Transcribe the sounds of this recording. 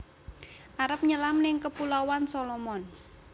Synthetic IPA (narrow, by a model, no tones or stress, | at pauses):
ʔaɾəp̚ɲəlamnɪŋkəpulawansolɔmɔn